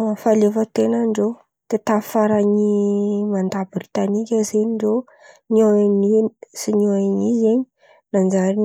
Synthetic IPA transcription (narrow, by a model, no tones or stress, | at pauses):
falefət̪enəɳɖ͡ʐo | t̪et̪afaɾaɲimand̪abbrit̪anikʲazeɲiɳɖ͡ʐo | nianisinoeɲizeɲi̥ | nand͡ʒaɾin